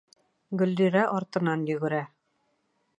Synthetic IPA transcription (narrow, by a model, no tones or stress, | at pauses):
ɡɵ̆ld̪iɾæʔɒɾt̪ɤ̆nɑnjɵ̆ɡɘ̆ɾæ